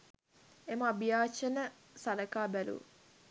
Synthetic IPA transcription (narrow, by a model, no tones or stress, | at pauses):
eməabijaːt͡ʃənə | saləkaːbælṵ